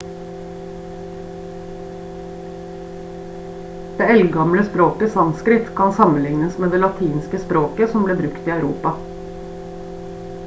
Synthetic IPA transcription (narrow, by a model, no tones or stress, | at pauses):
d̪̥eːɛlɡɑmləspɾoːkəsɑmskɾɪt̪kʰɑnsɑmən̩lɪŋnəsmeːd̪eːlɑt̪ʰiːnskəspɾoːkəsɔmbleːbɾʉkt̪iːɑʉɾṵːpɑ